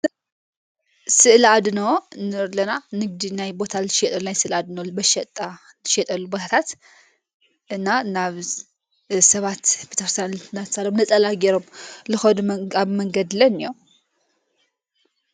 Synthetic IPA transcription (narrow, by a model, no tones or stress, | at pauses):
sɨʔɨlad̪nəwnɨɾlənanɨɡ̚d̪najbo̞t̪ʰalʃɛt̪ʼəlulajsɨʔɨlad̪nəwbəʃɛt̪ʼːa | lʃɛt̪ʼəlːubəht̪ʰat̪ | ʔɨnːaɨnːaβ | səβat̪bet̪əxɾst̪janlnat̪salwmnəsʼəlaɡɛɾomlɨxod̪aβməŋɡəd̪lənːiow